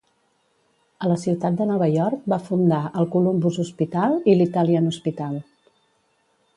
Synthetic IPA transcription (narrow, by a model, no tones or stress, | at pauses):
ələsiwt̪at̪̚d̪ənɔβ̞əjɔɾk̚bafund̪aʔəlˠkulumbuzuspit̪alˠilit̪əliənuspit̪alˠ